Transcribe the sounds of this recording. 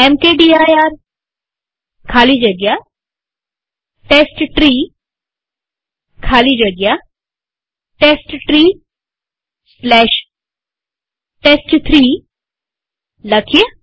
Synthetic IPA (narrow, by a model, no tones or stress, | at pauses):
ɛmkeɖiːaːjaːɾ | kʰaːlid͡ʒɐɡja | ʈeːsʈʈɾiː | kʰaːlid͡ʒɐɡja | ʈeːsʈʈɾiː | slɛːʃ | ʈeːsʈt̪ʰɾiː | lɐkʰje